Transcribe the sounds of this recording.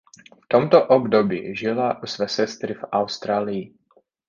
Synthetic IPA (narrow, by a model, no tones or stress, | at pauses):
ft̪omt̪oʔobdobḭʒɪlaʔusvɛːsɛst̪ɾɪfʔawst̪ɾaːlɪji